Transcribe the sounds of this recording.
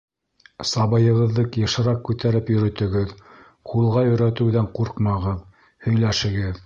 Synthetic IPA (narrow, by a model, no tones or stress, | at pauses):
sɑβɤjɤ̆ʁɤ̆ðːɤqjɤ̆ʃɤ̆ɾɑqkʉt̪æɾɘpjɵ̆ɾɵ̆t̪ɵ̆ɡɘð | qʰulˠʁɑjɵ̆jɾæt̪ɘ̆wðæɴquɾqmɑʁɤð | hɵ̆jlæʃɘ̆ɡɘð